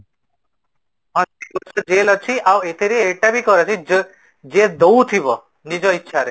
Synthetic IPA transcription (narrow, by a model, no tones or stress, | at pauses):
ɦɔ̃sikɔsɔd͡ʒelɔt͡ʃʰiʔawet̪ʰeɾieʈabʱikɔɾɔt͡ʃʰi | d͡ʒed̪owt̪ʰibɔ | nid͡ʒɔitːʃʰaɾe